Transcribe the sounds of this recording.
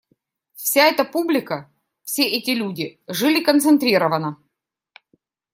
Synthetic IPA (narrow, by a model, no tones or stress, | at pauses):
fsʲaɛt̪əpublʲɪkə | fsʲeʔɛtʲɪlʲudʲɪʐɨlʲɪkənt̪sɨnt̪ɾʲiɾəvənə